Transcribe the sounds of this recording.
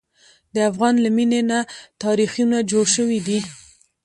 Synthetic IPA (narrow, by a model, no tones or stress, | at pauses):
d̪əafɣɑnlaminenat̪ɑɾixijunad͡ʒoɽʃəwid̪i